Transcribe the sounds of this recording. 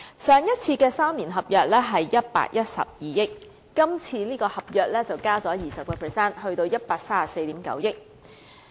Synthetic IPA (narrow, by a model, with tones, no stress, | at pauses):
sœː˨˧ŋjɐ˥t̚t͡sʰiː˧kɛː˧saː˥mliː˨˩nɦɐ˨p̚jœː˨k̚lɛː˥ɦɐ˨jːɐ˥t̚pa̰ː˧k̚jɐ˥t̚sɐ̰˨p̚jiː˨jɪ˥k̚ː | ɐ˥mt͡sʰiː˧nliː˥kɔː˧hɐ˨p̚jœː˨k̚lɛː˥t͡sɐ˨wkaː˥t͡sɔː˨˥jiː˨sɐ˨p̚kɔː˧pʰəː˨˩sɛː˥nhɵ˧ɥt̪o˧wjɐ˥t̚paː˧k̚saː˥a˨se˧jt̪iː˨˥mkɐ̰˨˥wjɪ˥k̚